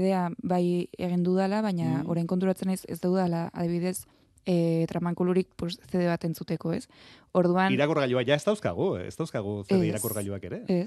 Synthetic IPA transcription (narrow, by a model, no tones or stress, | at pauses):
ðe̞aβaje̞̰ɣ̞ind̪uðalaβaɲao̞ɾajŋko̞nt̪̬uɾat͡se̞najse̞̰zt̪ewðalaa̰ðiβiðe̞s | t̪ɾamaŋkuluɾik̚posse̞ðe̞βat̪e̞nt͡sut̪e̞ko̞e̞so̞ɾð̞uaniɾakoɾɣaʎuaʝaest̪awska̰ɣ̞uḛst̪awskaɣuseiɾakoɾɣaʎuake̞ɾe̞es